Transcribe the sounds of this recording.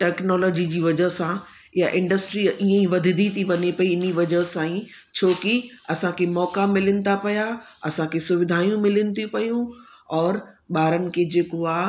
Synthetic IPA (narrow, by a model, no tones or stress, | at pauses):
ʈɛːknɔːlɔːd͡ʑid͡ʑiːʋɐd͡ʑəɦsã | ɪjaʔɪ̃ɳɖəsʈɾiʔiːə̃ĩʋɐd̪ʱɪd̪ʱit̪ʰiʋɐɲepɐiɪniʋɐd͡ʑəɦsãːĩ | t͡ɕʰoːki | ɐsãkʰemɔːkamɪlənɪ̆t̪apɐja | ɐsãkʰesʊʋɪd̪ʱaːijũmɪlənɪ̆t̪ʰipɐjũ | ɔːɾ | ɓaːɾənɪ̆kʰed͡ʑeːkoaː